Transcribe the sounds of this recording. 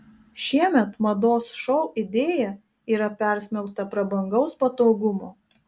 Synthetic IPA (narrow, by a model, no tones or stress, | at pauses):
ʃʲiɛmʲɛt̪mɐd̪oːsʃɔʊʔɪd̪ʲeːjɛ | iːɾɐpʲɛˑɾʲsʲmʲɛlˠkt̪ɐpɾɐbɐŋɡɒʊspɐt̪oːɡʊmoː